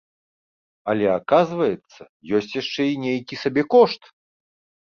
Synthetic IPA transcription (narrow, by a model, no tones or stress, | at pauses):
ɐlʲɛakazvɐjɛt̪sːɐ | jɔsʲt͡sʲjaʂt͡ʂɛinʲejkʲisabʲɛkɔʂt̪